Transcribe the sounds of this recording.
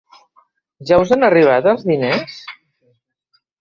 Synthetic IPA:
ʒawzanəriβ̞at̪əlˠzðines

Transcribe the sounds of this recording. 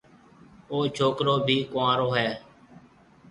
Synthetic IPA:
oːt͡ʃʰoːkɾoːbʱiːkãːɾoːɦɛː

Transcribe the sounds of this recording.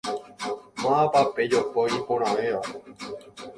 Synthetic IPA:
mãapape̞d͡ʒopoipoɾ̃ãʋẽʋa

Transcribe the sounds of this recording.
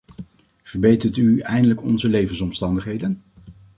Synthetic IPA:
v̥əɹbejtəɹtyɛjndələkɔ̰nzəlejvənsɔmstɑndəχɦejdən

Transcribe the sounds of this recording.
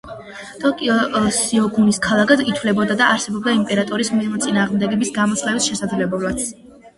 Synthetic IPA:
t̪ʼɔkʼiɔsiɔɡuniskʰalˠaɡait̪ʰvlɛbɔd̪ad̪aːɾsɛbɔb̚d̪aimpʼɛɾat̪ʼɔɾismiɾmɛt̪sʼinaːʁmd̪ɛɡɛbisɡamɔt̪sʰlɛbisʃɛsad̪zlɛbɛlat̪

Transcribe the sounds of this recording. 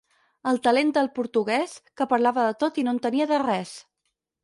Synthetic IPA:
əlˠt̪əlend̪əlˠpuɾt̪uɣɛskəpəɾlaβəðət̪ot̪inont̪əniəðərɛs

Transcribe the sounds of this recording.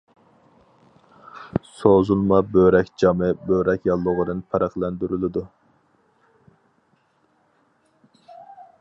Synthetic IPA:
sozulˠmɑbøɾɛkʲd͡ʒɑmɨbøɾɛkʲjɑlˠːʊʁʊd̪ɨnpʰɑɾɑχlˠænd̪yɾylɪd̪u

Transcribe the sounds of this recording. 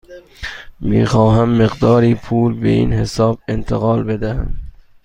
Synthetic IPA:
mḭːxɒːɦæmːeɣd̪ɒːɾiːpʰuːlbḛʔḭːnhesɒːbent̪ʰeɣɒːlbe̞d̪æhæm

